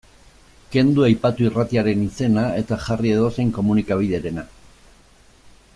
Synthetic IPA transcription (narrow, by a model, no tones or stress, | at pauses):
ke̞nd̪uajpat̪uirat̪iaɾe̞nise̞nae̞t̪aʝarie̞ðo̞se̞jŋko̞munikaβ̞ið̞e̞ɾe̞na